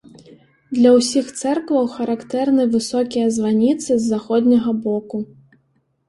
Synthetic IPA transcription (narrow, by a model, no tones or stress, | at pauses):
d̪lʲɐwsʲixt̪sɛrkvɐwxɐɾakt̪ɛrnɨvɨsɔkʲijɐzvanʲit̪sɨzːaxɔd̪ʲnʲɐɣɐbɔku